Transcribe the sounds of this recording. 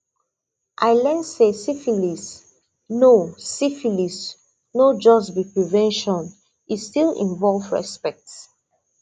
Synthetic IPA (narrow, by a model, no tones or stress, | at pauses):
ʔaɪlɛ̃nsesifilis | nosifilis | nod͡ʒɔsbipɹivɛ̃nʃɔ̃n | istilḭ̃ɱvɔlvɹɛ̰spɛk̚ts